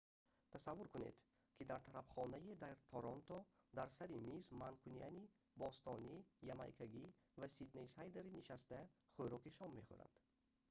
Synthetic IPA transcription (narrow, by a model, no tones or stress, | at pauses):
t̪ʰasavːuɾkunḛd̪ | kʰid̪aɾt̪ʰaɾafχɔnajid̪aɾt̪ʰɔɾɔnt̪ɔd̪aɾsaɾimismankʰuniani | bɔst̪ɔnijama̰jkʰaɡi | vasid̪nejsajd̪eɾiniʃast̪æχojɾɔkiʃɔmːeχṵɾa̰nd̪̥